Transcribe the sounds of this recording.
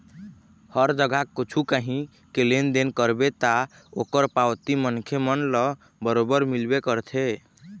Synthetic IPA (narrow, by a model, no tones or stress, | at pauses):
həɾd͡ʒəɡʱakːot͡ʃʰukəɦĩ | kelend̪enkəɾbet̪a | okəɾpawt̪imənkʰemənlɔ | bəɾobəɾmilbekəɾt̪ʰe